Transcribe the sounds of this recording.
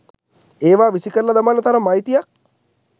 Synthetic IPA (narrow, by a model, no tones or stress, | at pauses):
eːʋaːʋisikəɾlad̪amanːət̪aɾɐmajt̪ijak̚